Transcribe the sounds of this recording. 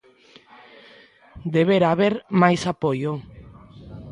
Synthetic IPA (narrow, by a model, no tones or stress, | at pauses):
d̪eβeɾaβeɾmajsapojo